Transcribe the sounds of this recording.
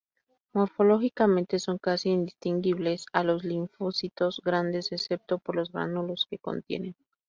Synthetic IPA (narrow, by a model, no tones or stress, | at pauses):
mo̞ɾfo̞lo̞xikamẽ̞nt̪e̞so̞ŋkasiːnd̪ist̪iŋɡiβle̞salo̞zliɱfosit̪o̞zɣɾand̪e̞sese̞p̚t̪o̞po̞ɾlo̞zɣɾa̰nulo̞ske̞ko̰nt̪je̞̰ne̞n